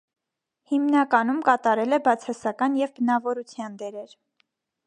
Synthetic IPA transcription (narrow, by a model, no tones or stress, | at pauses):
himnɑkɑnumkɑt̪ɑɾɛlɛbɑt͡sʰɑsɑkɑnjɛvbənɑvɔɾut͡sʰjɑnd̪ɛɾɛɾ